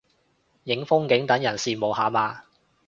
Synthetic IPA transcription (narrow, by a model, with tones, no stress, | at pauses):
jɪ˨˥ŋfʊ˥ŋkɪ˨˥ŋt̪ɐ˨˥ŋjɐ˨˩nsiː˨mo˨˧whaː˨˧maː˨˧